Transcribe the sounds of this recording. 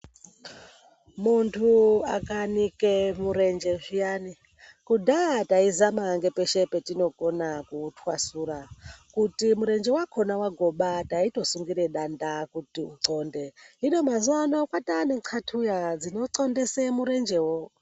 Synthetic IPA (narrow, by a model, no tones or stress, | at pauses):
muntʰuakanikemuɾe̞nd͡ʒe̞ʒijani | kudʱataizamaŋɡe̞pe̞ʃe̞petino̞ko̞nakutʰwasuːɾakutimuɾe̞nd͡ʒe̞wakʰo̞nawaɡʱo̞ɓataito̞suŋɡiɾe̞ɗandakutiuǀo̞ːnde̞ɦino̞mazuwano̞kwataneǀʰatʰujad͡zino̞ǀo̞ndesemuɾe̞nd͡ʒe̞wo